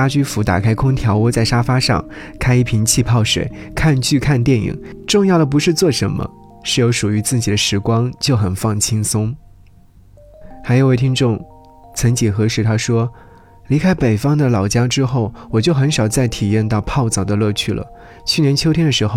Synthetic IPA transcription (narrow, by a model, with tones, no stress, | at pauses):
a˥t͡ɕy˥fu˧˥t̪a̰˨˩kʰa˥ɪkʰʊ˥ŋt̪ʰjɑ˧˥ʊwɔ˧˥t͡sa˥˩ɪʂa˥fa˥ʂɑ̰˥˧ŋkʰa˥ɪi˥˩pʰi˧˥nt͡ɕʰi˥˧pʰɑ˥˩ʊʂwḛ˨˩˦ɪkʰa˥˧nt͡ɕʰy˥˧kʰa˥˧nt̪̬jɛ˥˩nḭ˨˩˦ŋʈ͡ʂʊ˥˧ŋjɑ˥˩ʊd̪ə˩p̬u˧˥ʂɻ̩˥˧t͡swɔ˥˩ʂə˧˥nmə̰˧ | ʂɻ̩˥˩jo˧˥ʊʂu˨˩y˧˥t͡sɹ̩˥˩t͡ɕi˨˩d̪ə˦ʂɻ̩˧˥kwɑ˥ŋt͡ɕjo˥˩ʊxə˨˩nfɑ˥˩ŋt͡ɕʰi˥ŋsʊ˥ŋ | xa˧˥ɪjo˨˧wɪi˥nʈ͡ʂʊ˥˩ŋ | t͡sʰə˧˥ŋt͡ɕi˨˩xɤ˧˥ʂɻ̩˥˩t̪ʰa˥ʂwɔ˥ | li˧˥kʰa˥ɪpe˨˩ɪfɑ˥ŋd̪ə˨lɑ˨˩ʊt͡ɕja˥ʈ͡ʂɻ̩˥xo˥˩ʊwɔ˨˩t͡ɕjo˥˩ʊxə˧˥nʂɑ˨˩ʊt͡sa˥˩ɪt̪ʰi˨˩jɛ˥˧nt̪ɑ˥˧ʊpʰɑ˥˩ʊt͡sɑ˨˩ʊd̪ə˦lɤ˥˧t͡ɕʰy˥˩lə̰˩ | t͡ɕʰy˥˩njɛ˧˥nt͡ɕʰjo˥ʊt̪ʰjɛ˥nd̪ə˨ʂɻ̩˧˥xo˥˧ʊ